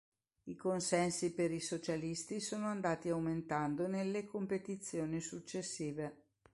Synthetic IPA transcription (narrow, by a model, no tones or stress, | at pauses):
ikonsɛnsipeɾisot͡ʃalist̪isoːnoand̪aːt̪iawment̪and̪onelːekompet̪it̪sːjoːnisut͡ʃːesːiːve